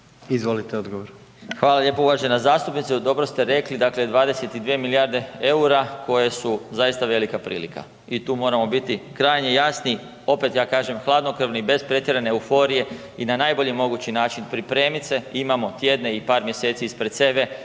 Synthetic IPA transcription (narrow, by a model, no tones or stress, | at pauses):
izʋolit̪eod̪ɡoʋoɾ | xʋaːlaʎe̞ːpouʋaʒenazaːst̪upnit̪sed̪o̞bɾo̞st̪e̞ɾe̞klid̪akled̪ʋaːd̪e̞se̞t̪id̪ʋiemilijaɾd̪e̞euɾakʰo̞jesuzajist̪aʋe̞likapɾḭːlḭka̰ | it̪uːmo̞ːɾamo̞bit̪ikɾaːjɲejasni | o̞pe̞t̪jaːkaːʒe̞mxlˠaːd̪no̞kr̩ʋnibe̞spɾe̞t̪jeɾeneːufo̞ɾije̞ | inanaːjbo̞ʎimo̞ɡuːt͡ɕinaːt͡ʃinpɾipɾe̞ːmit̪se̞imamo̞t̪je̞d̪ne̞ipaːɾmje̞set̪siispɾe̞t̪se̞be̞